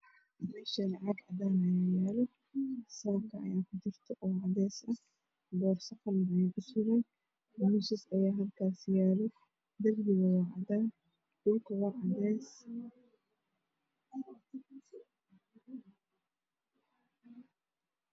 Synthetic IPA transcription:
nɛʃɐnʕɑɡʕɑ̰d̪aːnɐjajɛːlɔ | sɐβɐb̚kʰɐɐ̰jaːkʰʊt͡ʃɪrt̪ʰɔʔɔːʕɑd̪ɛːsɐ | b̪ɔːrsɐqɐnbɐjɛkʰʊsʊɣɛn | mɪsɪsɐjaːɦɐlkʰaːsjaːlɔ | d̪ɐrɡɪɣɐwɑːʕɑd̪aːn | d̥ʊlkʰɐwɑʕɑd̪ɛːs

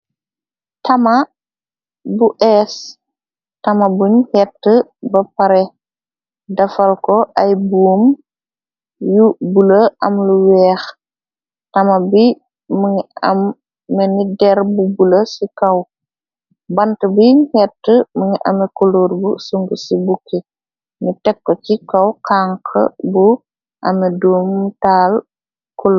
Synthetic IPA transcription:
tɐma | buʔɛs | tɐmɐbuɲhɛtːəbɐpɐɾɛ | dɐfɐlkɔʔɐjbuːm | jubuləɐmluwɛːx | tɐmɐbi | mŋɐ̰mː | ɛnidɛɾbubuləsikɐw | bɐntəbikɛtːəməŋiʔɐ̰mɛkuluːɾbṵsuŋɡusibukːe | nitɛkːɔcikɐwkaːŋkʰə̰bu | ʔɐmɛduːmtaːl | kul

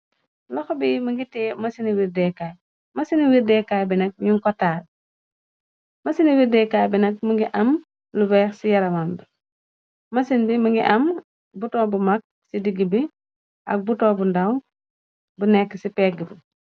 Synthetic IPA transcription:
lɔxɔbimuŋɡitɛːmɐsiniwiɾdɛkaj | mɐsiniwiɾdɛkajbinɐk̚ɲuŋkɔtːaːl | mɐsiniwiɾdɛkaːjbinɐk̚muŋɡiʔɐm | lubɛxsijɐɾɐmambi | mɐsinbimuŋɡiʔɐm | butɔːbumak̚ | sidiɡibi | ʔɐ̰k̚butɔːbundawn | bunɛkːsipɛːɡibu

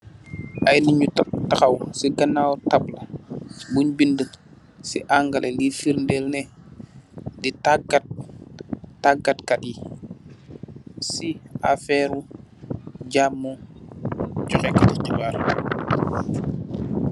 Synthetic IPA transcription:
ʔajniɲuttaxawsiɡɐnːawtablɐbuɲbində | sḭʔaŋɡalʔɛlifiɾndɛlnɛ | ditaɡat̚ː | aɡatkati | siafɛɾu | ɟamːɔ | d͡ʒɔxɛkatit͡ʃibaːɾ

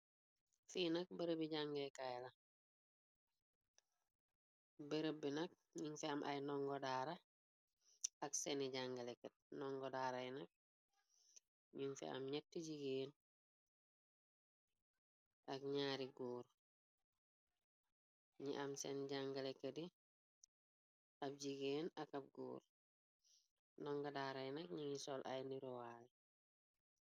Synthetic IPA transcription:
fiːnɐk̚bəɾəbiɟaŋɡɛkajlɐ | bəɾəbinɐk̚ | ɲinfɛɐmʔɐ̰jnɔŋɡɔdaːɾɐ | ɐksɛniɟaŋɡalekət̚nɔŋɡɔdaːɾajnɐk̚ | ɲiŋfɛ̰ɐ̰mɲɛtːiɟiɡeːn | ʔɐkɲaːɾiɡuːɾ | ɲḭʔɐmsɛ̰nɟaŋɡalekːɐdi | ɐp̚ɟiɡeːnɐkɐp̚ɡṵːɾ | nɔŋɡɐdaːɾɐjnɐk̚ɲiŋisɔlʔa̰jniɾowali

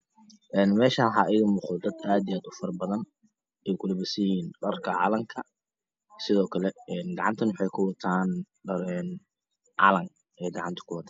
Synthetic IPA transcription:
ʔɛːnmɛːʃaħɑːʔɪɣʊmʊːχɔd̪ɐd̪aːd̪ijaːd̪ʊfɐrbɐðɐn | ʔɛjkʰʊlɐbɐsɪjiːnɖɐrkʰɐʕɑ̰ːlɐmkʰɐ | sɪðɔːkʰɐlɛɛːnɡɑʕɑnt̪ʰɐnwʊħɑjkʰʊwɑt̪ʰaːn | ɖɐɾɛn | ʕɑ̰lɐŋ | ʔɛːɡɑʕɑnt̪ʰɐ̥kʰʊwɐt̪ʰaːn

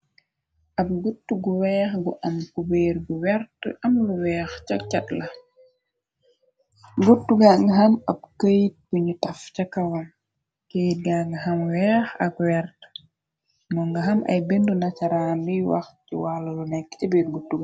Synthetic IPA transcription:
ʔɐb̚ɡutːuɡuwɛːxɡuʔɐmkubeːɾɡuwɛɾtʔɐmluwɛːxt͡ʃɐk̚t͡ʃɐtlɐ | ɡutːuɡaŋɡɐɦɐmɐb̚kəjt̚kuɲutɐfcɐkɐwɐm | kejt̚ɡaŋɡɐɦɐmwɛːxɐ̰kwɛɾt | nɔŋɡɐɦɐmɐ̰jbendunat͡ʃaɾaːndiwa̰xcḭwalɐlunɛkːcɐbeːɾɡutːuɡa

